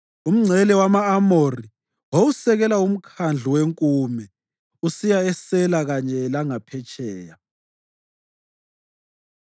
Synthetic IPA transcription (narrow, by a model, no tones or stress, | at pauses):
um̩ŋ͡ǀʱɛlɛwamaːmori | wowusɛɣɛlaum̩kʰand͡ɮʱuweŋkʼuːmɛ | usijaɛsɛlaɣaɲɛlaŋapʰɛt͡ʃʼɛːja